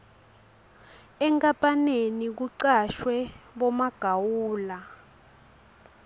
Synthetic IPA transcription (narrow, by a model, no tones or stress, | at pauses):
ɛŋkʼapʼanenik̬uǀaʃwɛɓɔmaɡ̥ʱawuːla